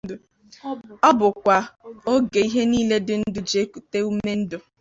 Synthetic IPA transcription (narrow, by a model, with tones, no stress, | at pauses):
ɔ˦bʊ˨kʷa˨o˦ɡe˨i˦ɦe˦niː˦le˦dɪ˨n̩˦dʊ˦d͡ʒe˦ku˨te˦u˦me˦n̩˦dʊ˨